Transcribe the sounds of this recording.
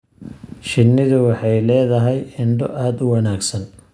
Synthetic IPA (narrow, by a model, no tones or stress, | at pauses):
ʃɪnːɪðʊwɑħɑjlɛːðɐɦɛjɪɳɖɔʔaːd̪wɑnaːɡsɐn